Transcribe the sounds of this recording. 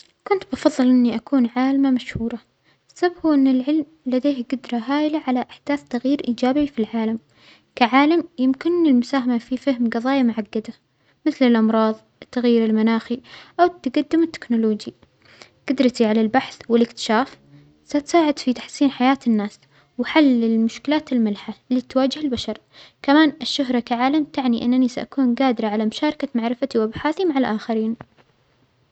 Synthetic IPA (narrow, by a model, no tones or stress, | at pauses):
kʊnt̪bɑfɑðˤːɨlʔɪnːiʔakuːnʕaːlmamaʃhuːɾˤɑ | sabbuʔɪnːɪlʕɪlm | lad̪eːhɡʊd̪ɾˤɑɦaːjlaʕalaʔɪħd̪̥aːθt̪aɣjiːɾʔiːd͡ʒaːbifilʕaːlam | kaʕaːlamjɪmkɪnːɪlmʊsaːɦamafifahmɡɑðˤɑːjamʊʕaɡːad̪a | mɪθlɪlʔɑmɾˤɑːðˤ | t̪ːaɣjiːɾɪlmanaːxiʔawt̪ɡad̪ːɪmɪt̪ːɪ̥knʊloːd͡ʒi | ɡ̥ad̪ɾˤɑt̪iʕalalbaħθwɪlɪkt̪ɪ̥ʃaːf | sat̪saːʕɪd̪fit̪aħsiːnħajaːt̪ɪnːaːs | waħalːɪlmʊʃkɪlaːt̪ɪlmɪlħaliːt̪waːd͡ʒɪhɪlbaʃɑɾˤ | kamaːnʔɪʃːʊɦɾˤɑkaʕaːlamt̪aʕniʔɪ̰nːanisaʔakuːnɡaːd̪ɪɾaʕalamʊʃaːɾˤɑkamaʕɾɪfat̪iwʔabħaːθimaʕalʔaːxaɾiːn